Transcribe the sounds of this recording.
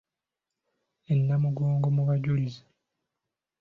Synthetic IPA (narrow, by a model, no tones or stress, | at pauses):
enːamuɡoːŋɡomuβaɟulizḁ